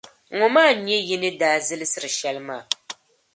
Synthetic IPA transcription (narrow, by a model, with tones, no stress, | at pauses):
ŋʊ˨maː˦˨ɲɛ˦ji˦nɨ˦daː˨zɨ˦lɨ˦sɨ˦ɾɨ˨ʃɛ˦lɨ˦maː˦˨